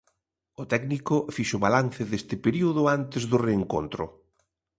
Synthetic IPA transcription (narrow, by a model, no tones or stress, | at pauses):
ʊt̪ɛknikʊfiʃʊβalanθɪðest̪ɪpeɾiuðʊant̪ɪzðʊreːŋko̰nt̪ɾʊ̰